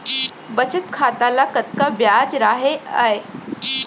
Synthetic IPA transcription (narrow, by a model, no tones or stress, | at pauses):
bət͡ɕət̪kʰat̪alakət̪kabjad͡zɾaɦea̰e